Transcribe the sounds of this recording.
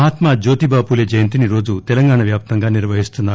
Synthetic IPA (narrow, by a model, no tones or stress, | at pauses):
ɦaːt̪mad͡ʒo̞ːt̪ibaːpuleːd͡ʒɐjɐnt̪iniɾo̞ːd͡ʒut̪ɛlɐŋɡaːɳɐʋjaːp̚t̪ɐŋɡaːniɾʋɐɦist̪unːaː